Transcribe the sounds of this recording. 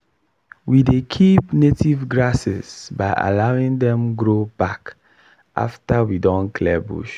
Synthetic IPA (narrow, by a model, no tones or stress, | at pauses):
widekʰipnetivɡɹasɛ̰zbaɪʔa̰laʊĩŋdɛ̃mɡɹobak | ʔa̰ftawidɔ̃nkʰlɛbṵʃ